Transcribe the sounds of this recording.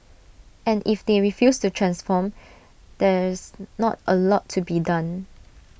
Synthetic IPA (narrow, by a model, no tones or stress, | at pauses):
ʔɛ̃nifd̪eɹifjustutʰɹɛ̃nsfɔm | d̥ɛsnɔ̰təlɔtʰːubidãn